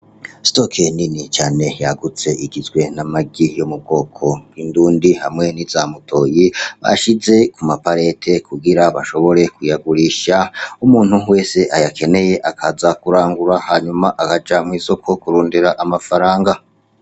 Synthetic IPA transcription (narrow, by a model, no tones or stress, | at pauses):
stokʰeninit͡ʃaːne̞jaɡut͡se̞iɡizɡwe̞namaɡijomub̚ɡo̞ːkʰo̞ɡinduːndihamŋe̞nizamutʰo̞ːjiβa̰ʃize̞kumapaɾe̞tʰe̞kuɡiɾaβaʃo̞βo̞ɾe̞kujaɡuɾiʃaumuːn̥huwe̞ːse̞ʔajake̞ne̞je̞ʔakʰazakuɾaːŋɡuɾahaɲumaʔakad͡ʒamŋwiːso̞kʰo̞kuɾuːndiɾaʔamafaɾaːŋɡa